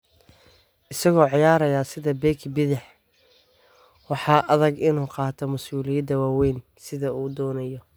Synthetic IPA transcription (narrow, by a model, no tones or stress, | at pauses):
ʔɪsɐɣɔːʕɪjaːɾɐjaːsɪðɐbɛːkʰbɪðɪħ | wɑħɑːʔɐðɐɡɪnuːqɑːt̪ʰɔmʊsuːlɪjɐd̪ɐwaːwɛjn | sɪðɐuːd̪ɔːnɐjɔ